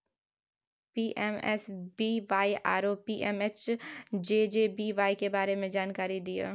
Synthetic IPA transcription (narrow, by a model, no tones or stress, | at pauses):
piːʔɛmɛ̰sbiːʋaːiʔa̰ːɾopiːʔɛmet͡ʃd͡ʒeːd͡ʒeːbiːʋaːikebaːɾemẽd͡ʒaːnkaːɾid̪ia̰ː